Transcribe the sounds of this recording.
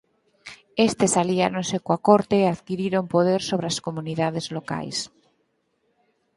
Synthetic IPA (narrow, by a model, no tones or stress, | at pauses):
est̪esaliaɾonsekwakoɾt̪eːaðkiɾiɾompoð̞eɾsoβ̞ɾeaskomũniðaðezloka̰js